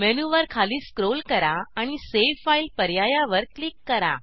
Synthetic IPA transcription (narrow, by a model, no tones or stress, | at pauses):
mɛnuʋəɾkʰaliːskɾolkəɾaaɽ̃iseʋfailpəɾjajaʋəɾklikːəɾa̰